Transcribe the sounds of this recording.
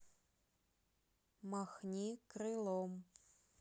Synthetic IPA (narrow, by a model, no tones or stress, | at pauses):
maxnʲikrɨlˠom